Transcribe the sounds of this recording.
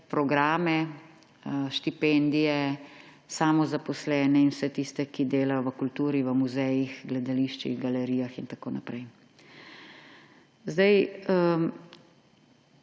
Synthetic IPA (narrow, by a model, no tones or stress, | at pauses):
pɾɔɡɾaːmɛ | ʃt̪ipɛnd̪ijɛ | samɔzapɔslɛːnɛinwsɛt̪ist̪ɛkid̪eːlajɔʋəkult̪uːɾiʋəmuzɛjixɡlɛd̪aliːʃt͡ʃḭɣɡalɛɾiːjaxint̪akoːnapɾɛj | zd̪ajə